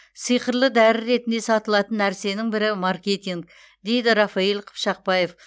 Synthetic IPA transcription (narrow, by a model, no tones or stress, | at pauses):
sijqəɾlˠəd̪æɾɪɾe̞t̪ɪnd̪e̞sɑt̪əlˠɑt̪ənːæɾse̞nɪŋbɪɾɪmaɾkʲe̞t̪ʲiŋk̚ | d̪e̞jd̪ɪɾɑfɑilˠqʰə̥pʃɑq̚pɑje̞f